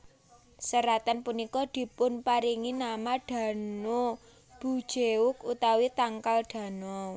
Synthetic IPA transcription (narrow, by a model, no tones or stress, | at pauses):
səɾat̪anpunikɔd̪̥i̤pʊnpaɾiŋinamaɖ̥ä̤no | b̥ṳd̥ʒ̥eʊkut̪awit̪aŋkalɖ̥ä̤nɔ